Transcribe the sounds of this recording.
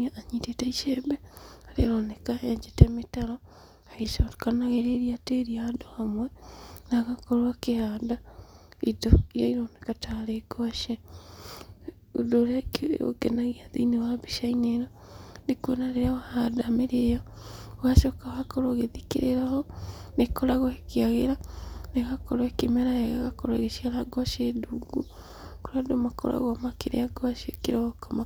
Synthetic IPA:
aʔaɲitetaiʃebeaɾeɾonekaʔeɲd͡ʒetemetaɾo | aɣeʃakanaɣeɾeɾiateɾiaadohamwɛnaɣakoɾwakehaːdaidoijaiɾonekataɾekoaʃe | udoɾako̰kenaɣiaðinewabiʃaineɾo | nekwenaɾeɾawahadameɾejɔ | waʃɔkawakɔɾoɣeðikḛɾeɾahɔnekɔɾaɣɔekeaɣeɾaneɣakɔɾwɛkemɛɾajaɣaɣakɔɾaɣeʃiaɾaɡɔʃeduɡu | koɾadomakɔ̰ɾa̰ɣwamakeɾḛaɡwaʃekeɾɔɣɔkɔma

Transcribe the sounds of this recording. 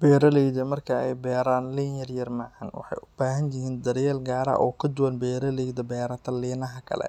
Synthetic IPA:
bɛːɾɐlɛjðɐmɐrkʰɐɛ̰jbɛːɾaːnliːnjɐrjɐrmɐʕɐnwɑ̰ħɑ̰jʔʊb̥aːɦɐnjɪɦiːnd̪ɐɾjɛːlɡaːɾɐ̰ʔɔːkʰɐd̪ʊwɐnbɛːɾɐlɛjd̪ɐbɛːɾɐt̪ʰɐliːnɐɦɐkʰɐ̰lɛ̰

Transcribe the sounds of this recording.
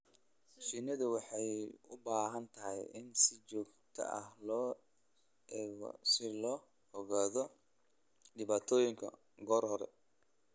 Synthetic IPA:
ʃɪnɐðʊwɑħɑjʊbaːɦɐnt̪ʰɐɦɛ̰jʔɪnsɪt͡ʃɔːɡt̪ʰɐ̰ʔɐhlɔː | sɪlɔː | hɔɣaːðɔ | ɖɪβaːt̪ʰɔːjɪŋkʰɐ̰ | ɡɔːrhɔɾɛ̰

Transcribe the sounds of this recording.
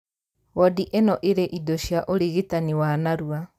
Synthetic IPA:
ɣɔdiʔenɔʔeɾeʔidoɕjaʔoɾiɣitaniwanaɾua

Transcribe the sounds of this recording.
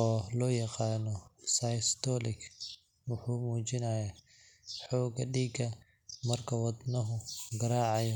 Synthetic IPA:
ɔːlɔːjɑqɑːnɔsɐjst̪ʰɔlɪkʰ | wʊħuːmuːt͡ʃɪnɐja | ħɔːɡɐ̰ɖiːɡɐ | mɐrkʰɐwɐd̪nɐɦʊɡɐɾaːʕɑjɔ

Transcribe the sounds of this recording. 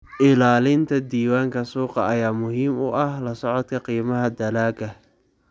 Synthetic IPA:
ʔɪlaːlɪnt̪ʰɐd̪iːwaːŋkʰɐsuːqɑʔɐjaːmʊɦiːmʊʔɐhlɐsɔʕɔd̪kʰɐqiːmɐɦɐd̪ɐlaːɡɐ

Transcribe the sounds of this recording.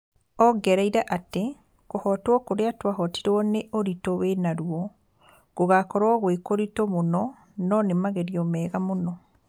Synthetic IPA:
ɔɡɛɾaiɾaʔate | kohɔtwɔkoɾeatwaɦɔti̥ɾwɔneʔoɾitowenaɾuɔ | koɣakɔɾwɔɣwekoɾitomonɔ | nɔnemaɣeɾiɔmɛːɣamonɔ

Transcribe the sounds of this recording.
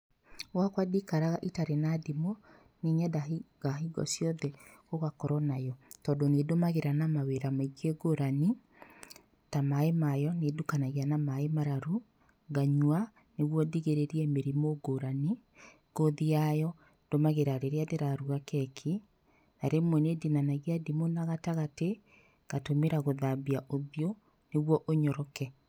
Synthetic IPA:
wakwadikaɾaɣaʔitaɾenadimo | neɲadaɡaɦiɡɔ̰sjɔðɛoɣakɔɾɔnajɔtɔdonedomaɣeɾanamaweɾamaiɡeɡoɾani | tamaemajɔnedukanaɣianamaemaɾaɾu | ɡaɲwa | neɣwɔdiɣeɾeɾiɛmeɾimoɡoɾani | ɡ̥oðiajɔ | d̥omaɣeɾaɾeɾeadeɾaɾuakɛkʰi | naɾemwɛnedinanaɣiadimonaɣataɣate | ɣ̥atomeɾaɣoðabiaʔoβjo | neɣwɔʔoɲɔɾɔkɛ

